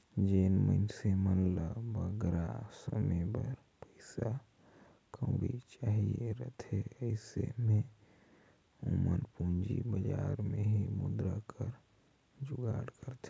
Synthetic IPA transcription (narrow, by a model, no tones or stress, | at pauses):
d͡ʒeːnmənsemənləbəɡɾasəmebəɾ | pəɪsa | kʰə̃ʊɽḭt͡ʃaːɦieɾət̪ʰeəɪsḛmẽ | umənpũnd͡ʒibəd͡ʒaːɾmeɦimʊd̪ɾakʰəɾ | d͡ʒʊɡaːɽkəɾt̪ʰe